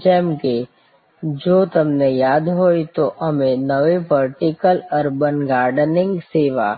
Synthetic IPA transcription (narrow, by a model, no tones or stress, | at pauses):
d͡ʒɛːmke | d͡ʒoːt̪ɐmnejaːd̪ɦoːit̪oʔɐmẽnɐʋeʋəɾʈɪkəlɐɾbənɡaːɾɖənɪ̃ŋɡseːʋaː